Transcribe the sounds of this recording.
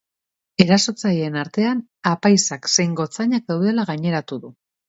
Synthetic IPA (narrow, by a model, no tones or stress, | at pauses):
e̞ɾaso̞t͡sajienaɾt̪e̞an | apajsakse̞jŋɡo̞t͡saɲak̚ðawðe̞laɣ̞aɲe̞ɾat̪uðu